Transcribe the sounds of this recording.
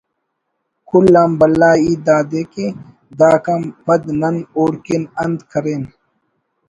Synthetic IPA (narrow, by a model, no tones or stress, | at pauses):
kʰulːaːmbɐlːaːiːd̪aːd̪eːke | d̪aːkampɐd̪nɐnoːɾkenɐnd̪kʰɐɾeːn